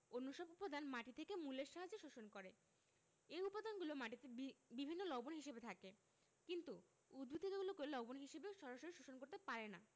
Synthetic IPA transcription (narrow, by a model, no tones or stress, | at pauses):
onːoʃɔbupod̪ʱanmaʈit̪ʰekemulːeɾʃaɦad͡ʑeʃoʃonkoɾe | eupad̪ʱanɡulomaʈit̪ebibʱinːolɔbonɦiʃebet̪ʰake | kint̪u | ud̪̚bʱid̪ʱot̪eɡulokelɔbonɦiʃebeʃɔɾaʃoɾiʃoʃonkoɾt̪epaɾena̰